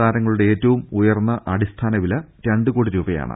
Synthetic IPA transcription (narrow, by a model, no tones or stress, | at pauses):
aːɾɐŋːɐɭuɽeeːtːɐʋumujɐrnːɐʔɐɽist̪ʰaːnɐʋilɐɾɐɳɖɨkoːɽiɾuːbɐja̰ːɳɨ̰